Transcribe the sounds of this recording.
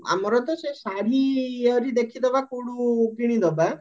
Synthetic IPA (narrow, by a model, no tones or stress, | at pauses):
a̰mɔɾɔt̪ɔsesaɾiɔɾid̪ekʰid̪ɔbakuɽuɡiɽ̃id̪ɔba